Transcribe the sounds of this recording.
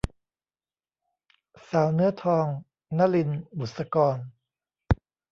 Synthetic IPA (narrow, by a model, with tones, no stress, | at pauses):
saː˩˦wnɯː˦˥ɐt̪ʰɔː˧ŋ | na˦˥li˧nbu˨˩t̪̚sa˧kɔː˧n